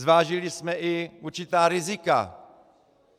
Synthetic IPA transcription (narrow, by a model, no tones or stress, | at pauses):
zvaːʒɪlɪsmɛʔɪuɾt͡ʃɪt̪aːɾɪzɪka̰